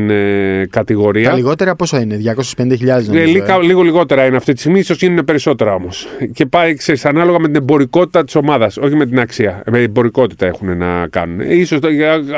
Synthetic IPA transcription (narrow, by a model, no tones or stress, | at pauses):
nkɐt̪iɣo̞ɾiɐliɣo̞t̪eɾɐpo̞soineðʝɐko̞sespenid̪eçiʎɐðznlikɐliɣo̞liɣo̞t̪e̞ɾɐineɐft̪ist̪i̥st̪iɣmisosʝinune̞pe̞ɾiso̞t̪e̞ɾɐo̞mo̞sce̞pɐikse̞ɾisɐnɐlo̞ɣɐme̞t̪inebo̞ɾiko̞t̪it̪ɐt̪i̥so̞mɐðɐso̞çime̞t̪̬inɐksiɐmeebo̞ɾiko̞t̪i̥t̪ɐe̞xune̞nɐ̰kɐ̰nune̞̰iso̞s